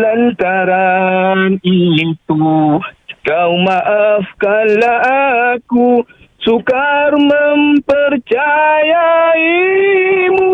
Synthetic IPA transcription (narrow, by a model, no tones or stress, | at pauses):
lant̪aɾaninit̪u | kawmaʔafkalaaku | sukaɾməmpəɾt͡ʃajai | mu